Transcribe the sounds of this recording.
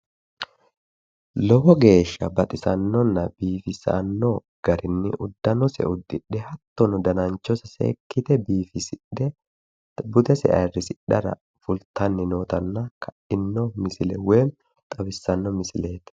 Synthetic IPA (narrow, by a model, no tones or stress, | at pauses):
lɔbɔɡe̞ːʃːɐbɐt̪ʼɪsɐnːɔnːɐbiːfɪsɐ̰nːo | ɡ̥ɐɾɪnːɪ̰ʔʊd̪ːɐnɔsɛ̰ʔʊd̪ːɪɗːɛhɐt̪ːɔnʊd̪ɐnɐnt͡ʃːɔsɐsḛːkːɪt̪ɛbiːfɪsɪɗɛ | bʊd̪ɛsɛ̰ʔɐrːɪsɪɗɐɾɐ̰ | fʊlt̪ɐnːɪnoːt̪ɐnːɐkʰɐʔɪnːɔmɪsɪlɛ̰wem | t̪ʼɐbɪsːɐnːɔmɪsɪle̞ːt̪